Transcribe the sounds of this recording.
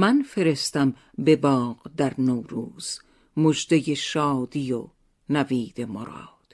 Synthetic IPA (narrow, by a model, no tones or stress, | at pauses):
mænfe̞ɾe̞st̪æm | be̞bɒːqd̪æɾnowɾuːz̥ | mod͡ʒd̪ejeʃɒːd̪ijo | næviːd̪e̞moɾɒ̰ːd̪̥